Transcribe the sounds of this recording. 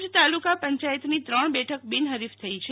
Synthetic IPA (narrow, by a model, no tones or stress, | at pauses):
d͡ʒt̪alukapəɲt͡ʃajət̪nit̪ɾəɳ̃bɛʈʰək̚bɪnɦəɾift̪ʰəit͡ʃʰe